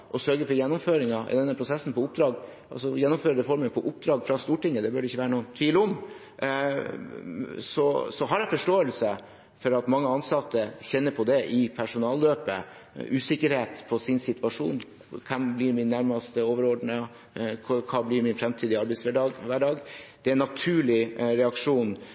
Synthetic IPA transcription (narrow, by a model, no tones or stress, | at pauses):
ʔɔsœɾɡəfɔɾjɛnːʊmføːɾɪŋɑ̰d̪ɛnːəpʰɾʊsɛsːn̩pɔʊp̚d̪ɾɑːɡʔɑ̰sɔjɛnːʊmføːɾəd̪əfɔɾmənpʰɔʔʊp̚d̪ɾɑːɡfɾɑst̪uːʈɪŋːəd̪ɛbœːɖɛɪçːəʋæːɾənuːənt̪ʰiːləʊm | sɔsɔɦɑɾæfɔʂʈoːəlsə | fɔɾɑt̪mɑŋːəɑnsɑt̪ːəçɛnːəɾpʰɔd̪ɛʔɪpʰæʂʊnɑːld̪øːpə̰ʔʉːsɪkːəɾheːt̪pʰɔsɪnsɪt̪ʋɑʂṵːn | kʰɛmblɪɾmɪnːæɾmɑst̪əoːʋəɾɔɖɳə | kʰɑːblɪɾmɪnfɾɛmt̪ʰiːd̪ɪɑɾbɛɪsʋæɖɑːɡʋæːɖɑːɡd̪̥ɛæɾnɑt̪ʰʉːɭɪɾɛɑkʂuːn